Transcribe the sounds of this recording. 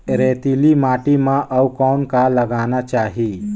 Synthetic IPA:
ɾeːt̪ilimaːʈimãʔəwkɔnkalɐɡaːnat͡ʃaːɦi

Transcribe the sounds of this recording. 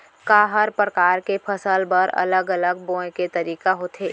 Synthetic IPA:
kaːɦəɾpɾəkaːɾkepʰəsəlbəɾɐ̰ləɡələɡ̚bõːeket̪əɾiːkaɦoːt̪ɦeː

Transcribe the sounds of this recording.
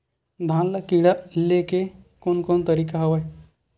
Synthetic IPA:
d̪ʱãnlakiɽalekekonkont̪əɾikaɦəʋaj

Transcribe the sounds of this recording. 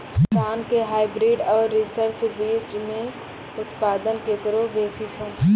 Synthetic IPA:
aːnkeɦaːɪbɾiːɖɔːɾːisəɾt͡ʃʋiːt͡ʃmẽ | ʊt̪paːd̪ənkeːt̪ɾobeːsisʰõː

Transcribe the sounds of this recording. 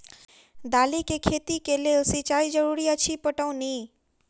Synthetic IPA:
d̪aːlikekʰeːt̪ikeleːlsit͡ʃaːid͡ʒəɾuːɾiət͡ʃʰipəʈəũnĩː

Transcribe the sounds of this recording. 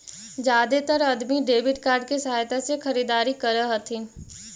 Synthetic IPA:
d͡ʒjaːd̪et̪əɾɐd̪miɖeːbɪʈkaːɾɖ̚kesɐɦaːjt̪asexɐɾiːd̪aːɾikɐɾəɦɐt̪ʰi

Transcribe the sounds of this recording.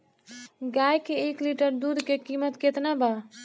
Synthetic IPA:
ɡajkeekliʈəɾd̪ud̪ʱkekimət̪ket̪naba

